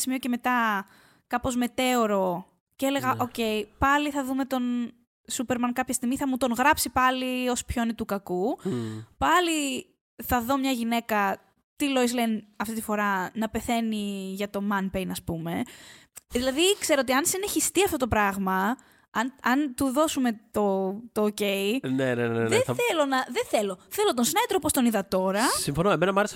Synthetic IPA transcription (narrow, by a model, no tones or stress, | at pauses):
simioce̞me̞t̪ɐ | kɐpo̞zme̞t̪e̞oɾo̞ | cele̞ɣɐʔo̞ce̞jpɐliθɐðume̞t̪o̞n | supeɾmɐnkɐpçɐst̪iɣmiθɐmut̪o̞ŋɣɾɐpsipɐlio̞spçoinit̪ukɐku | pɐli | θɐðo̞mɲɐʝine̞kɐ | t̪ilo̞izlenɐft̪it̪i̥fo̞ɾɐnɐpe̞θe̞niʝɐt̪o̞mɐnpejnɐspume̞ | ðilɐðikse̞ɾoot̪iɐnsineçist̪iɐft̪o̞t̪opɾɐɣmɐ | ɐnɐnt̪uðo̞sume̞t̪ot̪oːce̞inenenenðeθelo̞nɐðeθe̞lo̞θe̞lot̪onsinɐit̪ɾopo̞st̪o̞niðɐt̪o̞ɾɐsiɱfonoemenɐmɐles